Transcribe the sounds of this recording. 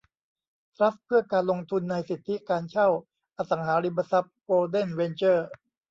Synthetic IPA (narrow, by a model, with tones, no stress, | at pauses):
t̪ʰɾa˦˥ppʰːɯ˥˩ɐkaː˧nlo˧ŋt̪ʰu˧nːa˧jsi˨˩t̪ʰːi˦˥kaː˧nt͡ɕʰa˥˩w | ʔa˧sa˩˦ŋɦaː˩˦˥ɾi˧ba˧sa˦˥p̚koː˧de˥˩nwe˧nt͡ɕɤː˥˩